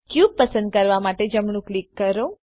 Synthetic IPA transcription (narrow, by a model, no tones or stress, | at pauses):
kjub̚pəsə̃nd̪̚kəɾʋamaʈed͡ʒəmɳ̃ũklikːəɾo